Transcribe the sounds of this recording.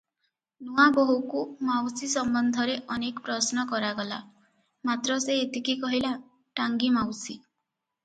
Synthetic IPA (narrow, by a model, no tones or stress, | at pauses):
nuaboɦukumawsisɔmbɔnd̪ʱɔɾeʔɔnekpɾɔsnɔkɔɾaɡɔla̰ | mat̪ɾɔseːt̪ikikɔɦila | ʈaŋɡimawsi